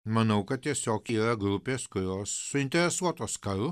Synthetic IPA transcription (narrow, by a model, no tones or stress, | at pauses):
mɐnɐʊkɐt̪̚t̪ʲiɛsʲoːkiːɾɐɡɾʊpʲeːskʊɾʲoːsːʊɪnʲt̪ʲɛɾʲɛsuɔt̪oːskɐl